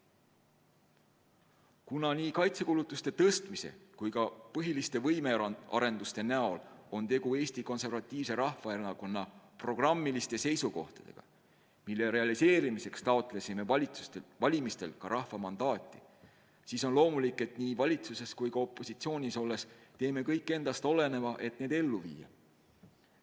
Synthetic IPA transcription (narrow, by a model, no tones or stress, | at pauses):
kunɑniːkɑjt̪se̞kulut̪ːˑust̪e̞t̪ɤst̪mise̞̰kujkɑpɤɦilist̪e̞vɤjmeɑ̰ɾe̞nd̪ust̪e̞næo̞lo̞nt̪e̞ɡue̞ːst̪iko̞nse̞rvɑt̪ʲˑːiːvse̞ɾɑhvɑenɑko̞nːɑpro̞ɡ̥rɑmːilist̪e̞se̞jsuko̞̰ht̪ɑ̥d̪̥e̞̰ɡ̥ɑ̰ | milːe̞ɾe̞ɑlise̞ːɾimise̞kst̪ɑot̪ːˑle̞sime̞vɑlʲit̪u̥t̪evɑlʲimist̪e̞lkɑɾɑhvɑmɑnd̪̥ɑːt̪ʲˑːi̥ | siːso̞nlo̞ːmulikːˑe̞t̪niːvɑlʲit̪suse̞skujkɑo̞pːˑosit̪sio̞ːnʲiso̞lːe̞st̪e̞ːme̞kɤjkːˑe̞nd̪̥ɑst̪o̞le̞ne̞vɑʔe̞t̪ne̞ːd̪e̞lːuvḭːjɑ̰